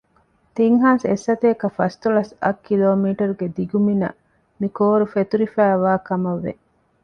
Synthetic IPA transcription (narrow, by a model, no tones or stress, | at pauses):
t̪iŋɦaːsesːɐt̪eːkɐfɐst̪ulɐsɐkʰːiloːmiːʈɐɾuɡed̪iɡuminɐ̰ | mikoːɾufet̪uɾifæːʋaːkɐmɐʋːḛ